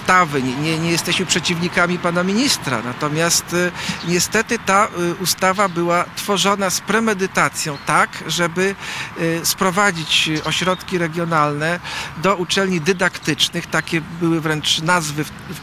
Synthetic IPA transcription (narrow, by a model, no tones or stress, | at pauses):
t̪avɘɲɛɲɛjɛst̪ɛɕmɘpʂɛt͡ɕivɲikamʲipanamʲiɲist̪ɾa̰nat̪ɔmʲjast̪ɲɛst̪ɛt̪ɘt̪aust̪avabɘwat̪fɔʐɔnaspɾɛmɛd̪ɘt̪at̪sʲjɔ̃w̃t̪akʐɛbɘ | spɾɔvad͡ʑit͡ɕɔɕɾɔt̪kʲiɾɛɡʲjɔnalnɛd̪ɔut͡ʂɛlɲid̪ɘd̪akt̪ɘt͡ʂnɘxt̪akʲɛbɘwɘvɾɛnt͡ʂnazvɘ